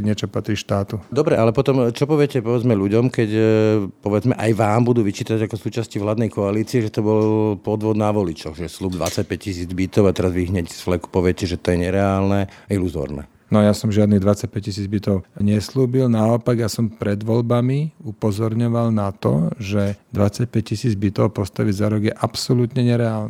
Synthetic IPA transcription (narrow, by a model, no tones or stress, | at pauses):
ɲɪɛt͡ʃɔpat̪ɾiːʃt̪aːt̪ud̪ɔbɾɛʔalɛpɔt̪ɔmt͡ʃɔpɔʋɪɛcɛpɔʋɛd͡zmɛʎuɟɔmkɛcpɔʋɛd͡zmɛʔajʋaːmbud̪uːʋit͡ʃiːt̪aɟakɔsuːt͡ʃascivlaːd̪nɛjkɔaliːt͡siɛʒɛt̪ɔbɔlpɔd̪ʋɔd̪naʋɔlit͡ʃɔɣʒɛsluːb̚d̪ʋa̰t͡sac̚pɛccisiːd͡zbit̪ɔʊat̪ɛɾazʋiɦɲɛcsflɛku̥pɔʋɪɛcɛʒɛt̪ɔjɛɲɛɾɛaːlnɛiluzɔ̰ːɾnɛ̰ | nɔjasɔmʒɪad̪niɣd̪ʋat͡sac̚pɛccisiːd͡zbit̪ɔʊɲɛsluːbilnaɔpaɡjasɔmpɾɛd̪ʋɔlbamiupɔzɔɾɲɔʋalnat̪ɔ̰ʒɛd̪ʋat͡sac̚pɛc̚cisiːd͡zbit̪ɔʊpɔst̪aʋiɟzaɾɔɡjɛʔapsɔlut̪ɲɛɲɛɾɛaːlnɛ